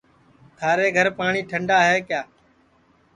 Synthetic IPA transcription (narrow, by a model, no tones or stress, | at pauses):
t̪ʰaːɾeːɡʱəɾpaːɳiːʈʰəɳɖaːɦeːkjaː